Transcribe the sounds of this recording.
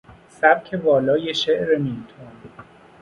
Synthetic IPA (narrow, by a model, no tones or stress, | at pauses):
sæbcʰe̞vɒːlɒːjeʃeʔɾemint̪ʰon